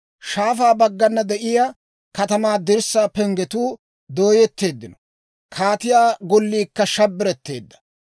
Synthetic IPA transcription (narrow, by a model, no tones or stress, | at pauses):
ʃaːfaːbɐɡːɐnːɐd̪ɛʔɪja | kɐt̪ɐmaːd̪ɪɾsːaːpɛŋɡɛt̪uː | d̪oːjɛt̪ːe̞ːd̪ːɪnɔ̥ | kʰaːt̪ɪjaːɡɔlːiːkːɐʃɐbːɪɾɛt̪ːe̞̰ːd̪ːɐ̥